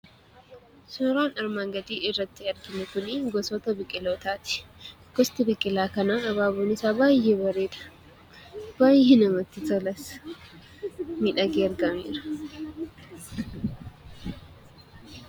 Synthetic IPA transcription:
sʊɾaːnɐɾmaːŋɡɐd̪iːɪrːɐt̪ːɪɐɾɡɪnɛkʊnɪɡɔsɔt̪ɐbɪkʼːɪloːt̪aːt̪ɪ̥ | ɡ̥ɔst̪ɪbɪkʼːɪlaːkɐnaɐβaːbonɪsaːbaːjɛbɐɾeːᶑ̪ɐ̥ | b̥aːjːɛnɐmɐt̪ːɪt̪ɔlɐs | miᶑɐɡeːɾɡɐmḛːɾɐ̥

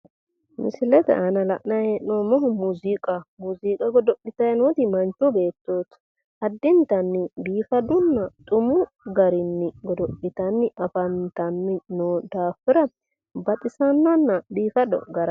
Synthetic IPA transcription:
mɪsɪlɛt̪ɛ̰ɐnɐlɐʔnaheːʔnoːmɔɦʊmuːzikʼɐmuːziːkʼɐɡɔd̪ɔpːɪt̪ɐjɐnot̪ɪmɐnt͡ʃube̞ːt̪ːoːt̪ | ɐd̪ːɪnt̪ɐnːɪbiːfɐd̪ʊnːɐt̪ʼʊmʊ | ɡɐɾɪnːɪɡɔd̪ɔpːɪt̪ɐnːɪɐfɐnt̪ɐnːɪnoːd̪aːfɪɾɐ | bɐt̪ʼɪsɐnːɔnːɐbiːfɐd̪ɔ̰ɡɐɾɐ

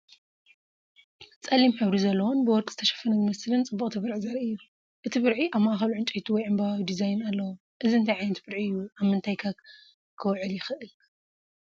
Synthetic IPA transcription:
t͡sʼɐlːimħɨβɾizɐlːɐwonbɨwɔɾkʼz̥ɨt̪ʰɐʃɐ̥fːɐnɐzɨmɐslɨnt͡sʼɨbːuχʼt̪ʰibɨɾʕizɐɾɨjːu | ʔɨt̪ʰibɨɾʕiʔaβmaʔaxɐluʕɨnt͡ʃʼɐjt̪ʰuwɔjʕɨmbaawid̪izajnalːɐwu | ʔɨziɨnt̪ʰajʕajnɐt̪bɨɾʕiɨjːuʔaβmɨnt̪ʰajkʰak | kʰɨwʕɨljɪxɨʔɨl

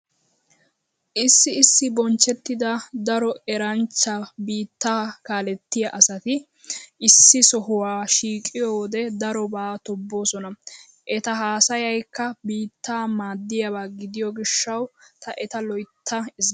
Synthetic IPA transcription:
ʔɪsːɪɪsːɪbɔnt͡ʃːɛt̪ːɪd̪ɐd̪ɐɾɔɛɾɐnt͡ʃːɐbiːt̪ːaːkaːlɛt̪ːɪjɐʔɐsɐt̪ɪ | ʔɪsːɪsɔɦʊwaːʃiːkʼːɪjoːd̪ɛd̪ɐɾɔbaːt̪ɔbːo̞ːsɔnɐ | ʔɛt̪ɐɦaːsɐjɐjkːɐbiːt̪ːaːmaːd̪ːɪjɐbaːɡɪd̪ɪjɔɡɪʃːɐwt̪ɐʔɛt̪ɐlɔjt̪ʰːɐɪz

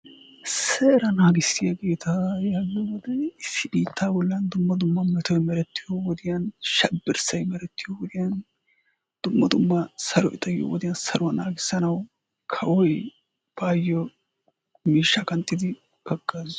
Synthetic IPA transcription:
sɛɾɐnaːɡɪsːɪjɐɡe̞ːt̪ʰajaɡɔwɔd̪ɛɪsːɪbiːt̪ʰːaːbɔlːɐnd̪ʊmːɐd̪ʊmːɐmɛt̪ɔjmɛɾɛt̪ːɪjɔwɔd̪ɪjɐnʃɐbːɪɾsɐjmɛɾɛt̪ːɪjɔwɔd̪ɪjɐn | d̪̥ʊmːɐd̪ʊmːɐsɐɾɔ̰jɪ̰t̪ʼɐjːɔ̰wɔ̰d̪ɪjɐnsɐɾʊwɐnaːɡɪsːɐnɐw | kʰɐʔɔj | b̥aːjːɔ | miːʃːɐkɐnt̪ʼːɪd̪ɪ | ɡɐɡːaːz

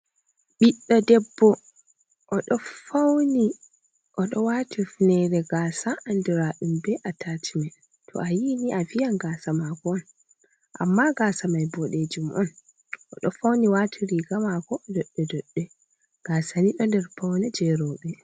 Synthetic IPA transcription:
ɓiɗːɔdɛbːɔ | ʔɔɗɔfawni | ʔɔɗɔwaːtʰifnɛɾɛɡaːsaːnduɾaɗumbɛʔatʰaːtʰimɛ | tʰɔ̰ajiniʔavijanɡaːsamaɡɔɔn | ʔa̰mːaɡasamajbɔɗed͡ʒumʔɔn | ʔɔɗɔfawniwatʰiɾiɡamaɡɔdɔɗːɛdɔɗːɛ | ɡ̥aːsaniɗɔndɛɾfawnɛd͡ʒɛɾɔːɓɛ

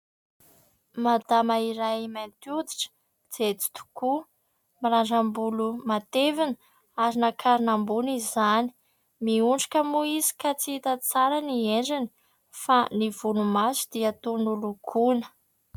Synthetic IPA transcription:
mad̪amaiɾajmant̪ud̪iʈ͡ʂə̥ | d͡z̥et͡si̥t̪u̥ku | miɾaɖ͡ʐambulumat̪evinə | aɾinakʰaɾinambunizani̥ | miuɳɖ͡ʐḁkʲəmuizi̥kat͡siit̪ət͡saɾənieɳɖ͡ʐini̥ | fanivunumasu̥d̪̥iat̪unulukʰunə̥

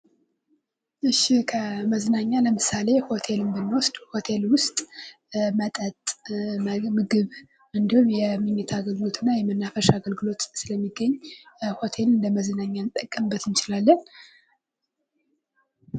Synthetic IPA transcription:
ʔɨʃikʰəməznaɲːaləmɨsale̞ho̞t̪ʰe̞lɨmbɨnːwosd̪̥ho̞t̪ʰe̞lwʊst̪ʼ | mət̪ʼət̪ʼ | mɨɡɨβ | ɨnd̪ihumjɛmɨɲːɛt̪ʰaɡəlɡɨlo̞t̪ʰɨnːajɛmənːafəʃaɡəlɡɨlo̞t̪sɨləmːiɡːəɲːho̞t̪ʰe̞lɨnd̪əməzɨnaɲːant̪ʼːəkʼːəmɨbːət̪ɨnt͡ʃɪlalːən

